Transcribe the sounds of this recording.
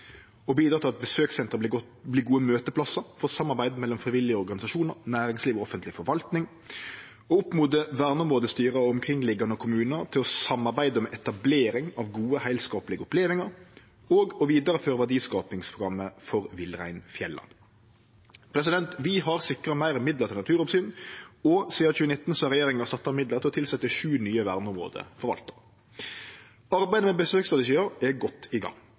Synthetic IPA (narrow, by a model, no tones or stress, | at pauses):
ɔbiːd̪ɾɑːt̪ʰɪlɑt̪̚bəsøːksɛnt̪ʁə | bliːɡuːəmøːt̪əpʰlɑsəɾfɔsɑmːɑʁbæɪd̪mɛlːɔmfʁɪʋɪlɪəɔɾɡɑnɪsɑʃuːnəʁnæːɾɪŋsliːʋɔɔfənt̪lɪfɔɾʋɑlt̪nɪŋ | ɔʊpmuːd̪əʋæːʁnəʊmʁoːd̪əst̪yːʁɑɔmkʰʁɪŋːlɪɡːɑnəɔkʰʊmʉːnət̪ʰɪlɔsɑmːɑʁbæɪd̪əmɛʔɛt̪ɑbleːɾɪŋɑʋɡuːəhæɪlskɑːpəlɪɡəʊpleːʋɪŋəɾ | oːɡɔʋiːd̪əɾəføːɾəʋæɖiːskɑːpɪŋspʰʊɡɾɑmːəfɔʁʋɪlʁæ̰ɪnfjɛlːɑ̰n | pʰɾɛs̬ɪd̪ɛnt̪ʋɪɦɑʁsɪkːʁəmæɪʁmɪd̪ləʁt̪ʰɪlnɑt̪ʰʉːɾɔpsyːnɔsiːɑçʉːənɪt̪ːn̩sɔɾɛjeːɾɪŋɑʁsɑt̪ːɑmɪd̪ləʁt̪ɪlɔt̪ɪlsɛt̪ːəʃʉːnyːəʋæːʁd̪nʊmʁo̰ːd̪ə̰fɔɾʋɑ̰lt̪ə̥ʁ | ɑɾbæɪd̪əmɛbəsøːkst̪ʁɑt̪ɪʂiːəʁɛɡɔt̪ːɪɡɑ̰ŋː